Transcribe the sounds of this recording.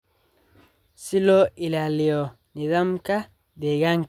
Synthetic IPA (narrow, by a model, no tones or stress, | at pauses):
siloilaliɔ | niðamka | deɡaŋ